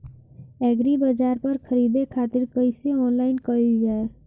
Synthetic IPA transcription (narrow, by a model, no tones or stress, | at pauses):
ɛːɡɾibəd͡ʒaːɾpəɾkʰəɾiːd̪ekʰaːt̪ɪɾkəɪseɔːnlaːɪnkəild͡ʒaːe